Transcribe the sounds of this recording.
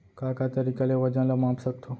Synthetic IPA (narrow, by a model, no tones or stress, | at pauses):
kakat̪əɾikaleʋəd͡ʑãlamapsəkt̪ʰo